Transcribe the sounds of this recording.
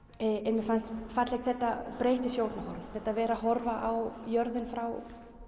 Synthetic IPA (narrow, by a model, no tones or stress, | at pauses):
ɛnmɛfanst̪fat̪lɛkθɛht̪apɾeːjht̪ɪsjoːwlt̪nahɔɾvʏmθɛht̪ːavɛːɾaɦɔɾvaʔawjœɾðɪnfɾaw